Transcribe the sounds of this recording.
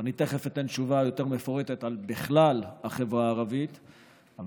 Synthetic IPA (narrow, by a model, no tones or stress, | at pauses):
anit̪eχefet̪anʃuvajo̞t̪e̞ʁme̞fo̞ʁet̪et̪albiχlalaχe̞vʁaːʁavit̪ | an